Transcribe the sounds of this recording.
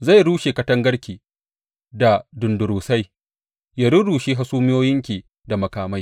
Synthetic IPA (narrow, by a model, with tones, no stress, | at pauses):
za˦˨ɽuː˦ʃeː˨kɐ˦tɐ˦ŋɡɐ˦ɽkʲiː˨ | da˨dʊ˨ndʊ˨ɾuː˨sa˦j | ja˨ɽʊ˦ɽuː˨ʃiː˦ɦa˦suː˦mɪ˦joː˦jɪ˦ŋkʲiː˨ | da˨mɐ˨kaː˨ma˦j